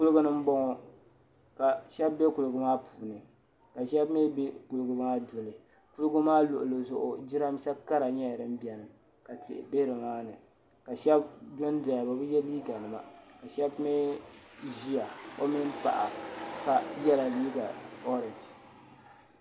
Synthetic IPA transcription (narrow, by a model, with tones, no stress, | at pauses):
ku˦lɨ˦ɡʊ˦nɨ˦m̩˦bɔ˦ŋɔ˨ | ka˨ʃɛ˦bːe˦ku˨lɨ˨ɡʊ˦maː˦pʰuː˨nɨ˨ | ka˨ʃɛ˦bme˦be˦ku˨lɨ˦ɡʊ˨maː˦dʊ˨lɨ˨ | ku˦lɡʊ˦maː˦lʊ˨ʔʊ˨lɨ˨zʊ˨ʔʊ̰˨d͡ʒi˦ɾa˦m˦ʃa˦ka˦ɾa˨ɲɛ˦˨ɾɨ˦m̩˦bi˨ɛ˨nɨ˨m | ka˨tɪ̰˨ʔɪ̰˨be˦ɨ˨maː˦nɨ˨ | ka˨ʃɛ˦b̚dɔ˦n˦da˨ja˨ba˨bɨ˦jɛ˦liː˦ɡa˨nɨ˨ma̰˨ka˨ʃɛ˦bme˦ | ʒi˦ja˨o˦mi˦n˦pa̰˨ʔa̰˨ka˨jɛ˦la˨liː˦ɡa˨ɔ˦ɾɪ˨nd͡ʒ